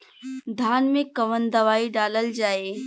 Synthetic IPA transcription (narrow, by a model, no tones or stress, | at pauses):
d̪ʱaːnmẽkɐʋənd̪ɐʋaːiɖaːləld͡ʒaːe